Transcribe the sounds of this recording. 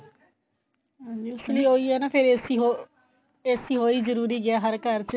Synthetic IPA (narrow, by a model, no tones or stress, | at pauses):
ɦãːɲd͡ʒiːʊsliːoːiːɦɛːnaːpʰɪɾesiɦo | eːsiːɦoːiːzəɾuːɾiːɡɪaːɦəɾkəɾt͡ʃ